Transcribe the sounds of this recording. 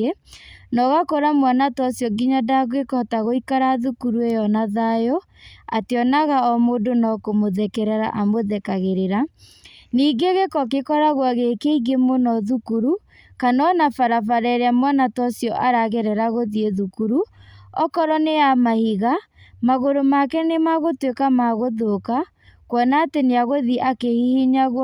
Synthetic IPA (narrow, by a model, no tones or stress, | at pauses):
enɔɣakɔɾamwanatɔsjɔɡiɲadaɣwekɔtaɣoikaɾaðukuɾuejɔnaðajɔ | a̰teɔnaɣaɔmodonɔkomoðɛkɛɾɛɾa̰ʔamoðɛkaɣeɾeɾa | niːɡeɣekɔkekɔɾaɣwaɣekeiɣemonɔðukuɾu | kanɔnafaɾafaɾɛɾeamwanatɔsjɔʔaɾaɣɛɾɛɾaɣoðieðukuɾuɔkɔɾɔneamahiɣa | maɣoɾomakɛnemaɣotwekamaɣoðoka | kwɔnaːteneaɣoðiʔakehihiɲaɣw